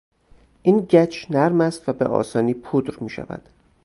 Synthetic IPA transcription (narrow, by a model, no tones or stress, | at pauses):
ʔiːnɟæt͡ʃʰnæɾmæst̪væbḛʔɒ̰ːsɒːniːpʰud̪ɾmiːʃæ̰væ̰d̪̥